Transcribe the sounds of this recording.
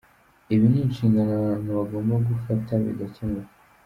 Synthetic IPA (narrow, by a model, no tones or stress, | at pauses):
iβiniːnʃiːŋɡananuβaɡo̞ːmbaɡufatʰaβḭɡacemu